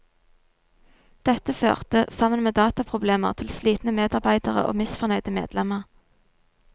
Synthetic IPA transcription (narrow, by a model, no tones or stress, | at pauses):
d̪̥ɛt̪əfø̰ːʁt̪əsɑmənmeːd̪ɑːt̪ɑpʰʁʊbleːməʁt̪ʰɪlsliːt̪n̩əmeːd̪ɑʁbæɪd̪əʁə̰ʔo̰ːmɪsfɔʁnœʏd̪əmḛːd̪̥lɛməʁ